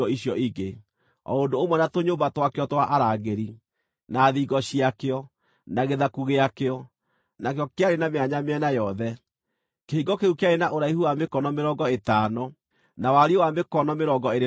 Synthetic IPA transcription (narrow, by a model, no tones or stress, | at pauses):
ɔiɕjɔʔiɡe | ɔ̰ondoːmwɛnatoɲombatwakeɔtwaʔaɾaɣeɾi | naːðiɡɔɕiakeɔ | naɣeðakuɣeakeɔ | nakjɔkeaɾenameaɲameɛnajɔðɛ | keiɡɔkeukeaɾenaʔoɾaihuwamekɔnɔmeɾɔːɡɔetanɔ | nawaɾiowamekɔnɔmeɾɔːɡɔeɾe